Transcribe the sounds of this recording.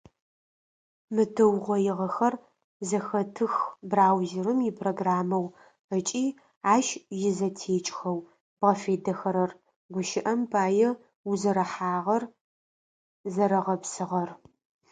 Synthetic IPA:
mɨtʰɨwʁʷɔjɪʁɐxɐr | zɐxɐtʰɨxbraːwzɪrɨmjɪpʰroɡraːmɐw | ət͡ʃʼiː | aːʃjɪzɐtʰeːt͡ʃʼxɐw | b̥ʁɐfeːdɐxɐɾɐr | ɡʷʊʃɪʔɐmbʰaːjɛ | uzɐɾɐħaːʁɐr | zɐɾɐʁɐpsɨʁɐr

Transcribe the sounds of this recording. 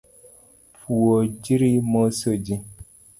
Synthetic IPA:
puod͡ʒiɾimosod͡ʒi

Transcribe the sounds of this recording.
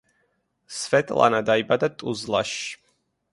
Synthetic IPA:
svɛt̪ʼlˠa̰nad̪aibad̪at̪ʼuzlˠaʃ

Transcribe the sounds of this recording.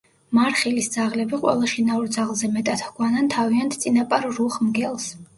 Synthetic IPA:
maɾχilisd̪z̥aʁlɛbiqʼwɛ̰lˠaʃinauɾd̪zaʁlˠzɛmɛt̪ʼat̪hɡwanant̪ʰaviant̪ʰt̪sʼinapʼaɾːuχmɡɛlˠs

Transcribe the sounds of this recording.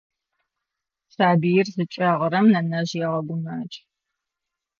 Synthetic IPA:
saːbijɪrzɨt͡ʃʼɐʁəɾɐmnɐnɐʑjɛʁɐɡʷʊnaːt͡ʃʼ

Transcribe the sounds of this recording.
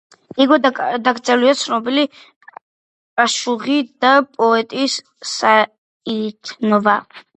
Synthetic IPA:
iɡɔd̪aɡd̪zʼɛliat̪sʰnɔbili | kʼaʃuʁid̪apʼɔɛt̪ʼisː | a | it̪ʰnɔva

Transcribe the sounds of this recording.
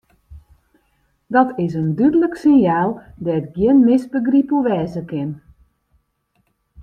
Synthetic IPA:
dɔtʰɪs̬əndydələksɪnjaːlˠdɛətɡjɪənmɪsbəɡripəʋɛːzəkɪn

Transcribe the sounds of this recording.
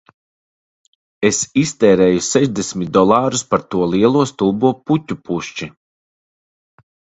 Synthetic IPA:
esist̪ɛːɾɛːjusɛʒd̪esʲmʲit̪̚d̪ɔlˠɑːɾuspaɾt̪uɔlˠiɛlˠuɔst̪ulˠbuɔputʲːupuʃt͡ʃi

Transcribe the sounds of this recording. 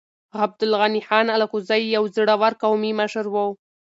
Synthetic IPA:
ɣab̚d̪ʊlɣaniħɑnalakuzajːawzɽawaɾkawmimaʃaɾwəw

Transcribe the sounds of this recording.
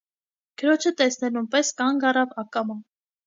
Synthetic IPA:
ɡ̥əɾɔt͡ʃʰət̪ɛsnɛlunpɛskɑŋɡɑrɑvɑkɑmɑn

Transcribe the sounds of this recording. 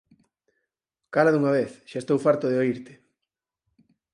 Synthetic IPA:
kaɾaðuŋɐβeθʃaest̪owfaɾt̪oðeoiɾt̪ɪ̥

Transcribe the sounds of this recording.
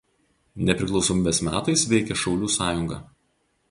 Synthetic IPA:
nʲɛpʲɾʲɪklˠɒʊsɔmʲiːbʲesmʲæːt̪ɐɪsʋʲɛɪkʲɛʃɒʊlʲuːsɑːjʊŋɡɐ̰ː

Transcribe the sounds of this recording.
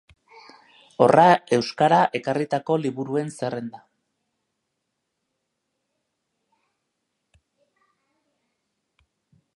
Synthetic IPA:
o̞̰rʔae̞wskaɾaʔe̞karit̪ako̞liβuɾue̞nsere̞nd̪a

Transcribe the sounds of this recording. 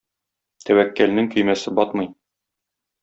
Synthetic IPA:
t̪ʰæwækːælnɘŋkɵ̆jmæsɘbɒt̪mɤj

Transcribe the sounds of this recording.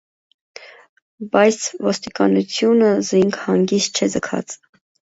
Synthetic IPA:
bɑjt͡sʰvɔst̪ikɑnut͡sʰjunəziŋkʰhɑŋɡist̪̚t͡ʃʰɛd͡zəkʰɑ̰t͡s

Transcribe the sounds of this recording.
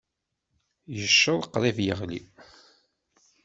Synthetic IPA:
jəʃːoðˤqːɾˤivjəʁlḭ

